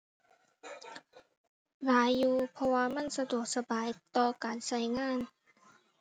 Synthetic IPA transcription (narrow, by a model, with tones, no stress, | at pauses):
laː˨˦jːuː˧pʰɔ˧waː˧ma˧˥˨nsa˧du˨˩ək̚sa˧baː˨jt̪ɔː˧kaː˨nsa˧˩jŋaː˧˥˨n